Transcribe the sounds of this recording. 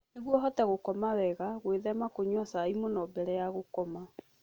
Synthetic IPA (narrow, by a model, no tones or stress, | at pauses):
neɣwɔɦɔtaɣokɔmawɛɣaɣweðɛmakoɲɔsaimonɔbɛɾɛjaɣokɔma